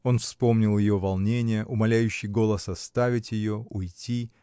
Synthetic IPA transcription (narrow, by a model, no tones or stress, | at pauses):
o̞nfspo̞mnʲɪlˠjɪjo̞vɐlˠnʲenʲɪjəʔʊmɐlʲæjʉɕːɪjɡo̞lˠəsɐst̪avʲɪtʲjɪjo̞ʊjtʲi